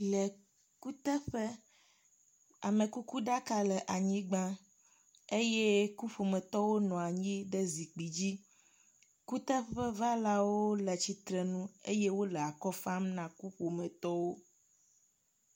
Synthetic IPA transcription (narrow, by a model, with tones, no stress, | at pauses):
lɛ˨ | ku˦t̪ɛ˦ɸe˦ | a˨mẽ˨ku˦ku˦ɖa˦ka˦lɛ˨ʔa˨ɲĩ˦ɡ͡bã˦ | e˦je˦ku˦ɸo˨mẽ˨t̪ɔ˦wo˦nɔ̃˨a˨ɲĩ˦ɖe˦zi˨k͡pi˨d͡ʑi˦ | ku˦t̪ɛ˦ɸɛ˦va˦la˦wo˦lɛ˨t͡ɕi˨t̪ɾɛ˨nũ˦e˦je˦wo˦lɛ˨a˨kɔ˦fa˦mnã˨ku˦ɸo˨mɛ̃˨t̪ɔ˦wo˦